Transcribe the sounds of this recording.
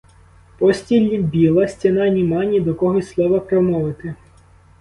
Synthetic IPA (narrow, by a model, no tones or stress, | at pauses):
pɔsʲtʲilʲːibʲilˠɐsʲtʲɐnɑnʲimɑnʲid̪ɔkɔɦɔslˠɔʋɐpɾɔmɔʋɪt̪ɪ